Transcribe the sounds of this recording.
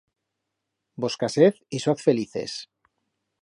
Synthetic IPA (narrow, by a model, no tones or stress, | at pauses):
boskaseθisaθfeliθḛs